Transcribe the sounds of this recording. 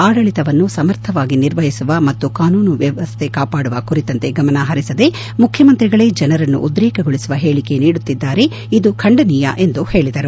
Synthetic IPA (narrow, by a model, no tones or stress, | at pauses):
aːɽɐɭit̪ɐʋɐnːusɐmɐɾt̪ʰɐʋaːɡiniɾʋɐɦisuʋɐmɐt̪ːukaːnuːnuʋjɐʋɐst̪ʰe̞kaːpaːɽuʋɐkuɾit̪ɐnt̪e̞ɡɐmɐnɐɦɐɾisɐd̪e̞ | mukʰjɐmɐnt̪ɾiɡɐɭe̞ːd͡ʒɐnɐɾɐnːṵʔud̪ɾɛːkɐɡoɭisuʋɐɦe̞ːɭike̞niːɽut̪ːid̪ːaːɾe̞ | id̪ukʰɐɳɖɐnijɐʔe̞nd̪uhe̞ːɭid̪ɐɾu